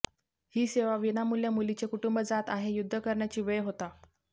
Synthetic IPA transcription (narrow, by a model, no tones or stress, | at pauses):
hiːseʋaʋinamuljamulit͡ɕekuʈumbəd͡zat̪aɦejud̪ʱːəkəɾɳjat͡ɕiːʋəjɦot̪a